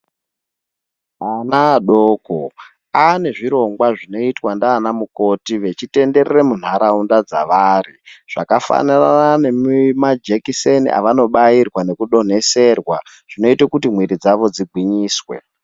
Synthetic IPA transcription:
anaːɗoːko | ane̞ʐiɾo̞ŋɡwaʐino̞itwandaːnamuko̞tiʋe̞t͡ʃite̞nde̞ɾeremun̤aɾaundad͡za̰ʋaːriʐ̥akafa̰nanananemmad͡ʒekisenḭʔa̰ʋano̞ɓairwane̞kuɗo̞n̤e̞se̞rwa | ʐ̥ino̞itakutim̤wiɾid͡zaʋo̞d͡ziɡʱwiɲiːswḛ

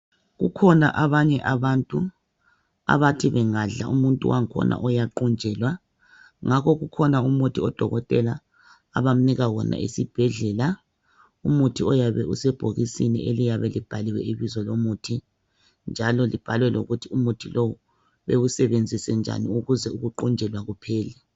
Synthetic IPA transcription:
ɣukʰɔna̰ʔaβaɲɛʔaβantʼu | a̰βatʰiβɛŋaɮa̰ʔumuntʼṵwaŋkʰɔ̰nʔa̰ʔɔjaǃund͡ʒʱɛlwa | ŋakʰɔɣukʰɔnaumutʰiɔd̥ʱɔɣɔtʼɛlaː | βam̩niɣawɔnʔa̰ʔḭsib̥ʱɛɮɛla | umutʰiɔjaβɛʔusɛb̥ʱoɣisinḭʔelijaβɛlib̥ʱaliwɛiβizɔlomutʰi | nd͡ʒʱalɔlib̥ʱalwɛlo̰ɣutʰiumutʰilowu | βewusɛβend͡zʱisɛnd͡ʒʱa̰niuɣuzɛuɣuǃɔnd͡ʒʱɛlwaɣupʰɛːlɛ

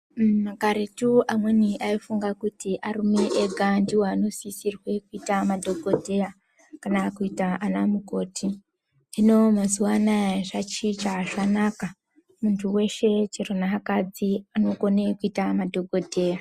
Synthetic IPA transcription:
makaɾetuʔamwe̞niʔaifuŋɡakutiʔarumeʔeɡʱandiwano̞sisirwe̞kuitamadʱoɡʱo̞dʱe̞ja | kanakuitaʔanamuko̞ːtʰi | ndino̞mazuwanaʐat͡ʃit͡ʃaʃanaka | muntʰuwe̞ʃe̞t͡ʃironaɦakad͡ziano̞ko̞ne̞kuitamadʱo̞ɡʱo̞dʱe̞ːja

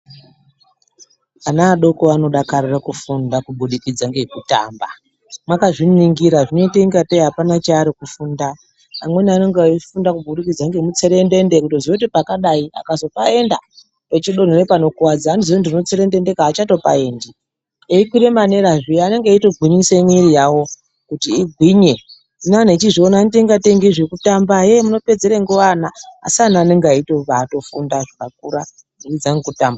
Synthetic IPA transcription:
anaːɗo̞koano̞ɗakarirakufundakuɓuɗikid͡zaŋɡekuta̰ːmba | mwakaʐiniŋɡiɾaʐino̞iteiŋɡatejɦapanat͡ʃaːɾikufundaː | mwe̞niane̞ŋɡeaifundakuɓuɗikid͡zaŋɡemut͡se̞ɾe̞nde̞nde̞kutozeutipakaɗaia̰kazo̞pae̞nda̰ | pet͡ʃiɗo̞n̤orepano̞kuwad͡zaːnizoondino̞t͡se̞ɾe̞nde̞ndekaːt͡ʃato̞pa̰e̞ːndi | eikwiɾemane̞ɾaʐiane̞ŋɡeito̞ɡʱwinisemiɾijawo̞ | kutiːɡʱwiɲe | nanet͡ʃiʐionaniteŋɡateŋɡiʐekutambaɦe̞muno̞pe̞d͡zeɾeŋɡuʋana̰ːsianaːne̞ŋɡeaitopato̞fundaʐikak̚uɾa | neid͡zaŋɡekutaːmba

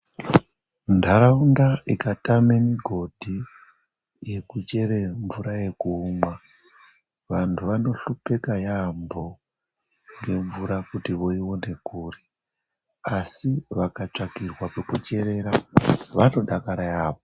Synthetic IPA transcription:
ndʱaɾaundaikatamemiɡʱo̞dʱi | je̞kut͡ʃe̞ɾeɱvuɾaje̞kuːmwa | ʋantʰuʋano̞ɬupe̞kajambo̞ | ŋɡe̞ɱvuɾakutiʋo̞iwo̞ne̞kuːri | asiʋakat͡ʂakirwapekut͡ʃe̞ɾe̞ɾaʋano̞ɗakaɾajaːpo

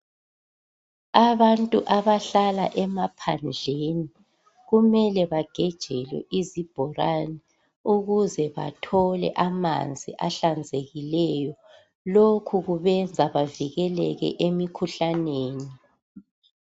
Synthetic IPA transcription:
aβantʼuʔaβaɬala̰ʔɛmapʰand͡ɮʱeni | ɣumɛlɛβaɡ̥ʱɛd̥ʒ̥ʱɛlwɛ̰ʔizib̥ʱɔranɛ | uɣuzɛβa̰tʰɔlɛ̰ʔama̰nd͡zʱḭʔaɬand͡zʱeɣilɛjɔ | lokʰuɣuβɛnd͡zʱaβaviɣɛlɛɣɛ̰ʔemikʰuɬaneːni

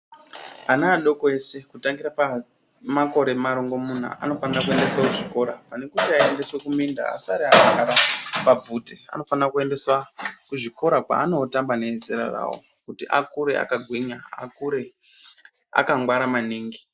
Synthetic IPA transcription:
anaːɗo̞koe̞se̞kutaŋɡiɾapa | mako̞ɾe̞maɾoŋɡo̞mun̤a̰ʔano̞fanirakue̞nde̞swakuʐiko̞ɾapane̞kuteaende̞swekuminda̰a̰saɾiaakaɾapab͡vutea̰no̞fanrakue̞nde̞swakuʐiko̞ɾakwa̰ːno̞tambane̞zeɾa̰ra̰ːwo̞̰ | kutiʔakuɾe̞a̰kaɡʱwiɲaa̰kuɾe̞ | a̰kaŋɡwaɾamaniːŋɡi

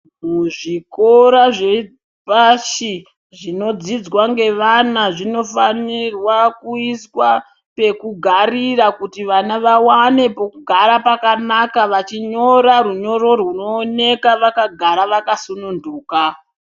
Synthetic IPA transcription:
muʐiko̞ɾaʐe | paʃi | ʐino̞d͡zid͡zwaŋɡe̞ʋanaʐino̞fanirwakuiswa | pe̞kuɡʱarirakutiʋanaʋawane̞po̞kuɡʱaɾapakanakaʋat͡ʃiɲo̞ɾaɾuɲo̞ɾo̞rwuno̞ːne̞kaʋakaɡʱaɾaʋakasununduːka

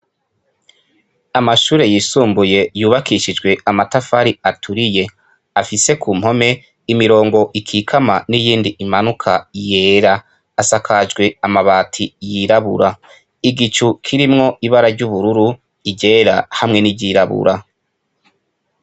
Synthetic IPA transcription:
amaʃuːɾe̞jiːsuːmbuje̞juːβakiʃid͡ʒɡwe̞amatafaɾiatʰuɾije̞ | afise̞kʰuːm̥ho̞me̞ | imiɾo̞ːŋɡo̞ʔikʰiːkʰamanijiːndiʔimanukʰaje̞ːɾaː | sakʰad͡ʒɡwe̞amaβaːtʰijiɾaβṵɾa | iɡit͡ʃukʰiɾimŋo̞ʔiβaɾaɾɟuβuɾuɾu | iɟe̞ɾahamŋe̞niɟiɾaβṵɾa

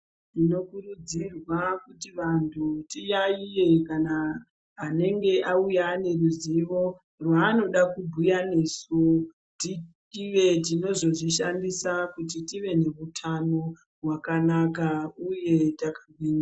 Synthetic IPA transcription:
tino̞kurud͡zirwakutiʋantʰutijaije̞kanaː | ne̞ŋɡe̞ʔaujane̞ruziʋo̞ | rwaːno̞ɗakubʱujane̞su | titiʋe̞t̬ino̞zo̞ʐiʃandisakut̬itiʋe̞ne̞ʋutʰano̞ | rwakanakauje̞takaɡwiːna

